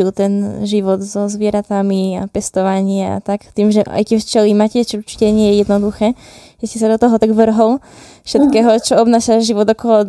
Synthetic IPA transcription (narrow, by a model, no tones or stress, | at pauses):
ilt̪ɛnʒiʋɔd̪zɔzʋɪɛɾat̪amiapɛst̪ɔʋaɲɪa̰t̪akt̪iːmʒɛa̰jcɪɛʃt͡ʃɛlimacɛt͡ʃɔuɾt͡ʃi̥cɛɲɪɛjɛjɛd̪nɔd̪uxɛːjɛscɛsad̪ɔt̪ɔɦɔt̪aɡʋr̩ɦɔl | fʃɛt̪kɛːɦɔt͡ʃɔɔbnaːʃaʒiʋɔd̪ɔkɔlɔ